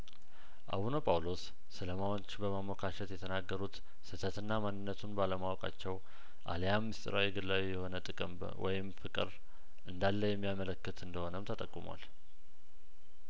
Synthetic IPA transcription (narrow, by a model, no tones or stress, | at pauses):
ʔa̰βunopʼawlo̞sː | ɨləmawot͡ʃːbəmamokʰaʃɛt̪jɛt̪ʰənaɡːəɾut̪ | sɨt̪ʰət̪ɨnːamanːɨnːət̪ʰunbaləmawɔkʼa̰t͡ʃːɛw | ʔa̰lejamːɨst̪ʼɨɾawiɡɨlːawijɛho̞nət̪ʼɨkʼɨmb | wɔ̰jɪmfɨkʼɨɾ | ʔɨnd̪alːəjɛmːijamələkːɨt̪ɨnd̪əho̞nəmt̪ʰət̪ʼəkʼːuma̰l